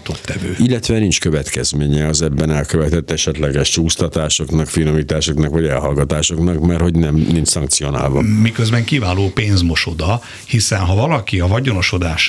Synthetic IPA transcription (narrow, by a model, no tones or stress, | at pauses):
t̪ot̪ːɛvøːilːɛt̪ʋɛnint͡ʃkøvɛt̪kɛzmeːɲɛɒzɛbːɛnɛlkøvɛt̪ɛt̪ːɛʃɛt̪lɛɡɛʃt͡ʃuːst̪ɒt̪aːʃo̞knɒkfinomiːt̪aːʃo̞knɒkʋɒɟɛ̰lɦɒlɡɒt̪aːʃo̞knɒkmɛrho̞ɟnɛmnint͡ʃsɒŋk̚t̪sio̞na̰ːlvɒ̰mikøzbɛŋkiːvaːloːpeːnzmo̞ʃo̞d̪ɒ | hisɛnɦɒvɒlɒkiɒvɒɟono̞ʃo̞d̪aːʃ